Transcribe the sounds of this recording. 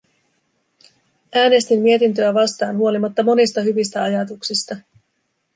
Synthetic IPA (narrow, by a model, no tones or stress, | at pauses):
æːne̞st̪immie̞t̪int̪̬ø̞æʋɑst̪ɑ̰ːnɦuo̞limɑt̪ːɑmo̞nist̪ɑɦyʋist̪æɑjɑt̪uksist̪ɑ